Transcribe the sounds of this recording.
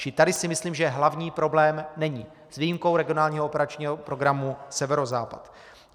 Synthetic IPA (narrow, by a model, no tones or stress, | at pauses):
t͡ʃɪt̪adɪsɪmɪsliːmʒɛɦlavɲiːpɾo̞blɛːmnɛɲiː | sviːjimko̞wɾɛɡɪo̞naːlɲiːɦoopɛɾat͡ʃɲiːɦopɾo̞ɡɾamusɛvɛɾozaːpa̰t̪